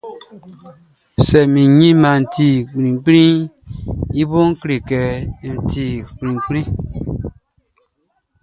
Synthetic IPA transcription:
sɛ˨mĩ˨ɲĩ˦mã˨n̩˨ti˦˨k͡pɾĩ˨k͡pɾĩ˦ | i˦bo˦ŋ˦kɾe˨kɛ˨n̩˨ti˦˨k͡pɾĩ˨k͡pɾĩ˦

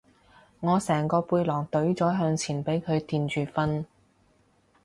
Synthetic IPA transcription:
ŋɔː˨˧sɛː˨˩ŋkɔː˧puː˧jlɔː˨˩ŋt̪ɵ˨˥ɥt͡sɔː˨˥ɦœː˧ŋt͡sʰiː˨˩npe˨˥jkʰɵ˨˧ɥt̪iː˧nt͡ʃyː˨fɐ˥n

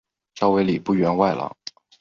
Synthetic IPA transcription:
ʂɑ˥ʊwe˧˥ɪli˨˩pu˥˩ɥɛ˧˥nwa˥˩ɪlə̰˩

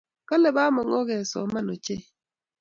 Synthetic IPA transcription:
ka˦lɛ˨ba˦mɔ˨ŋo˦ɣɛ˨sɔ̰˨ma˦no˨t͡ʃe˦

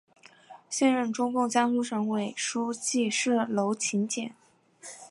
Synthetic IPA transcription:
ɕjɛ˥˧nɻə˥˩nʈ͡ʂʊ˥ŋkʊ˥˩ŋt͡ɕja˥ŋsu˧˥ʂɤ˧˥ŋwe˨˩ɪʂu˥t͡ɕi˥˧ʂɻ̩˥˩lo˧˥ʊt͡ɕʰi˧˥nt͡ɕjɛ˨˩˦n

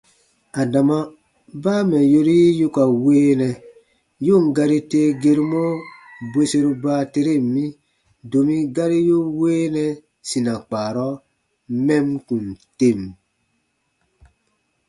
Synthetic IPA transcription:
a˨da˨ma˦ | baː˦mɛ˨jo˦ɾi˦jo˦ka˨weː˦nɛ˨ | jo˦˨ŋ˨ɡa˧ɾi˦teː˦ɡe˦ɾu˦mɔ˦be˦se˦ɾu˦baː˦te˦ɾe˦˨mĩ˦ | do˨mi˦ɡa˦ɾi˦jo˦weː˦nɛ˨ | si˨na˨k͡paː˨ɾɔ˦ | mɛ˦mkũ˨nte˦˨m

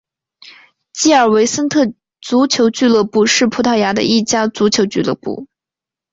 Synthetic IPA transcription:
t͡ɕi˥˩ə˞˨˩we˧˥ɪsə˥nt̪ʰɤ˥˩ | t͡su˧˥t͡ɕʰjo˧˥ʊt͡ɕy˥˧lɤ˥˧pu˥˧ʂɻ̩˥˩pʰu˧˥t̪ʰa˥˩ʊja˧˥d̪ə̰˧ʔi˥˩t͡ɕja˥t͡su˧˥t͡ɕʰjo˧˥ʊt͡ɕy˥˧lɤ̰˥˧pṵ˥˩

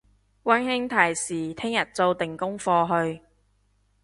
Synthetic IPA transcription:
wɐ˥nhɪ˥ŋt̪ʰɐ˨˩jsiː˨˩t̪ʰɪ˥ŋjɐ˨˩t̚t͡so˧wt̪ɪ˨˩ŋkʊ˥ŋfɔː˧ɦɵ˧ɥ

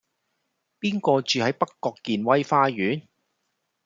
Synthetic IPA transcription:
piː˥nkɔː˧t͡ʃyː˨hɐ˨˥jpɐ˥kːɔː˧kːiː˨nwɐ˥jfaː˧˥ɥyː˨˥n

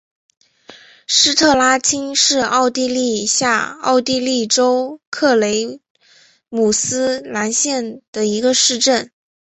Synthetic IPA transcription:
ʂɻ̩˥t̪ʰɤ˥˩la˥t͡ɕʰi˥ŋʂɻ̩˥˧ɑ˥˧ʊt̪i˥˧li˥˧ɕja˥˧ɑ̰˥˧ʊt̪i˥˧li˥˩ʈ͡ʂo˥ʊkʰɤ˥˩le˧˥ɪ | mu˨˩sɹ̩˥la˧˥nɕjɛ˥˩nd̪̥ə˩i˧˥ɡə˧ʂɻ̩˥˧ʈ͡ʂə˥˩n

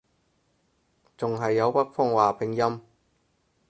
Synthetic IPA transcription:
t͡sʊ˨ŋɦɐ˨jːɐ˨˧wpɐ˥k̚fɔ˥ŋwaː˨pʰɪ˨˧˥ŋjɐ˥m

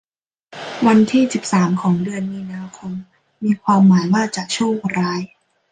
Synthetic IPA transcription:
wa˧nt̪ʰiː˥˩si˨˩p̚saː˩˦mkʰɔː˩˦ŋdɯ˧ənmiː˧naː˧kʰo˧mː | iː˧kʰwaː˧mːaː˩˦jwaː˥˩t͡ɕa˨˩ʔt͡ɕʰu˥˩ŋɾaː˦˥j

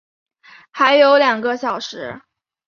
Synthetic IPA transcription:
xa˧˥ɪjo˧˥ʊljɑ˨˩ŋɡə˦ɕjɑ˨˩ʊʂɻ̩˧˥

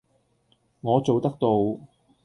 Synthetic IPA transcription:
ŋɔː˨˧t͡so˨wt̪ɐ˥k̚t̪o˨˧w

